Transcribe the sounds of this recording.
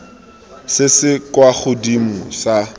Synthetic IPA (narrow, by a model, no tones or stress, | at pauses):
sɪsɪkwaχʊdimʊsa